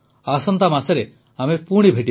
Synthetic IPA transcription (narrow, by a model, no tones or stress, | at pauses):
asɔnt̪amaseɾe | amepuɽ̃ibʱeʈi